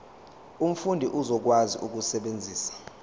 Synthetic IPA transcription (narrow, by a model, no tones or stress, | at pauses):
um̩fundʱiʔuzɔk̬wazḭʔuk̬usɛɓend͡zʱiːsḁ